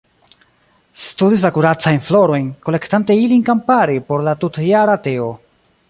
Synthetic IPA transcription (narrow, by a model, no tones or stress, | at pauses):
studis̬lakuɾat͡sajnflo̞ɾo̞jnko̞le̞ktanteilinkampaɾipo̞ɾlatutjaɾate̞o